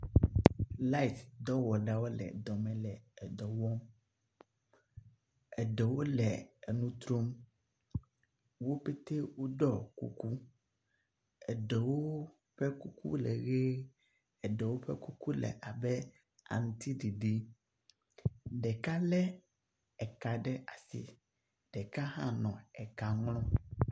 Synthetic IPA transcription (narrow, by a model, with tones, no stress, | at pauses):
la˦i˨t̪d̪ɔ˦wɔ˨ɖa˦wo˦lɛ̰˨d̪ɔ˨mɛ̃˨lɛ˨ɛ˨d̪ɔ˨wɔ˦m | ɛ˨ɖɛ˨wo˦lɛ˨ɛ˨nũ˦t̪ɾo˦m | wo˦pe˦t̪e˦wo˦ɖɔ˦˨kṵ˦ku˦ | ɛ˨ɖɛ˨wo˦ | ɸɛ˦ku˦kṵ˦lɛ̰˨ɣe˦ | ɛ˨ɖɛ˨wo˦ɸɛ̰˦ku˦ku˦lɛ̰˨ʔa˨bɛ˦ | a̰˨ŋ˨t̪i˦ɖi˨ɖi˦ | ɖɛ˨ka˦lɛ˦ | ɛ˨ka˨ɖɛ˦ʔa˨sḭ˨ | ɖ̥ɛ˨ka˦ɦã̰˦nɔ̃˨ɛ˨ka˨ŋlɔ̃˦